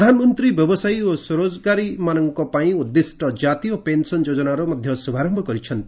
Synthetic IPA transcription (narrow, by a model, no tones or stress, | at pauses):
d̪ʱanɔmɔnt̪ɾibjɔbɔsajosoɾod͡ʒɡaɾimanɔŋkɔpaĩud̪ːisʈɔd͡ʒat̪ijɔpensɔnd͡ʒod͡ʒɔnaɾɔmɔd̪ʱjɔsubʱaɾɔmbʱɔkɔɾit͡ʃʰɔnt̪i